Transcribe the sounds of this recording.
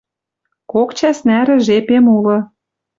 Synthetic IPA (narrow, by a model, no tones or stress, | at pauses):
kokt͡ɕæsnæɾɘ̆ʒepemulɤ̆